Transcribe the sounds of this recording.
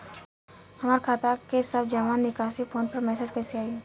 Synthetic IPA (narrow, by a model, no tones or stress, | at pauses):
hɐmaːɾkʰaːt̪akesəbd͡ʒəʋaːnːɪkaːʃipʰoːnpəɾmɛːseːd͡ʒkɛseaːi